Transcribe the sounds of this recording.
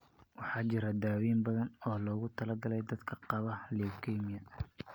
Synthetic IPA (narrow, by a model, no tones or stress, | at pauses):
wɑħɑːt͡ʃɪɾɐd̪aːwiːmbɐðɐnɔːlɔːɣʊt̪ʰɐlɐɡɐlɛjd̪ɐd̪kʰɐqɑβɐlɛːfkʰɛːmɪjɐ